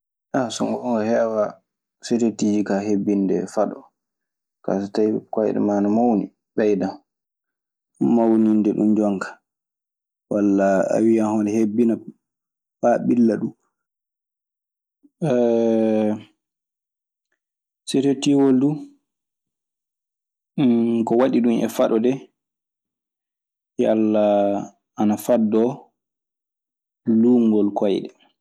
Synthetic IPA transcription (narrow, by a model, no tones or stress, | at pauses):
ʔasɔŋɡɔɔŋɡahɛwa | setetid͡ʒikahebːindɛ̰faɗɔ | ka̰sɔtajkajɛ̰ɗɛ̰maːnamawni | bɛjda | ɗumawnindɛɗumd͡ʒɔŋkḁ | walːaa̰wiahɔnɛhebːina | baɓilːaɗu | setetiwoldu | kɔwaɗiɗumʔɛ̰faɗɔdɛ | jalːa | anafadːɔ | luːŋɡɔlkɔjɗɛ